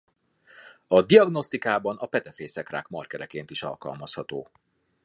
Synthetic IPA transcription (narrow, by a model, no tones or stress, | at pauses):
ɒd̪iɒɡno̞st̪ikaːbɒnʔɒpɛt̪ɛfeːsɛkra̰ːkmɒrkɛɾɛkeːnt̪iʃɒ̰lkɒ̰lmɒshɒt̪oː